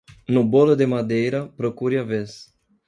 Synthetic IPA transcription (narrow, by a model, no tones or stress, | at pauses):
nuboləd̪emad̪ejɾapɾokuɾʲjaves